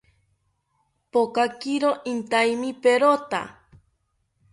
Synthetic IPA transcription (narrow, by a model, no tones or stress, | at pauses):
pokakiɾoʔint̪aimipeɾot̪a̰